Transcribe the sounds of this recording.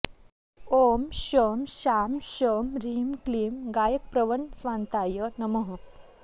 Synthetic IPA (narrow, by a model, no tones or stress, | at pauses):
omɕəmɕamɕəmɾimkliːmɡajək̚pɾəʋənsʋant̪ajənəməɦə